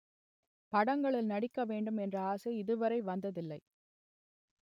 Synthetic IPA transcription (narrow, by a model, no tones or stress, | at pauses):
pɐɽɐŋɡɐɭɪlnɐɽɪkːɐʋeːɳɖɯmɛndrɐaːsɐɪðɯʋɐɾɐɪʋɐnd̪ɐðɪlːɐɪ